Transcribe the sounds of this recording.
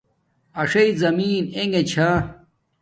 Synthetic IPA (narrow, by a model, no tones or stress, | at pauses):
ɐʂɐizɐmiːneŋɡet͡ɕʰa